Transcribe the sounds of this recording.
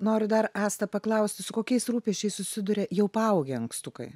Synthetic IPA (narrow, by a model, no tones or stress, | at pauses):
noːɾʲʊd̪ɐrɑːst̪ɐpɐklˠɐʊsʲt̪ʲɪsʊkoːkʲɛɪsruːpʲɛʃʲt͡ʃʲɛɪsʊsʲɪd̪ʊɾʲɛjɛʊpɐɐʊɡʲeɐŋkst̪ʊkɐɪ